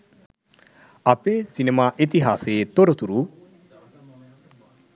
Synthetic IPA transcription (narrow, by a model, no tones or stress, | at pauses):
apesinemaːʔet̪iɦaseːt̪oɾot̪uɾu